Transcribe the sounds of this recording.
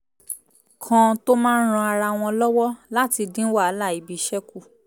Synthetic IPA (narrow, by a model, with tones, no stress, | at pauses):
kʰã˧to˦mãː˦n̩˦ɾ̃ã˧a˧ɾa˧w̃ɔ̃˧lɔ˦wɔ˦la˦ti˧dĩ˦wa˦˨˦la˦˨i˨bi˨˦ʃɛ˦ku˦˨